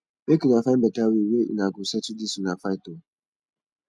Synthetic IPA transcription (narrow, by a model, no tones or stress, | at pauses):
bekinafam̩bɛtawiweʔḭnaɡusat͡ʃudisunafaito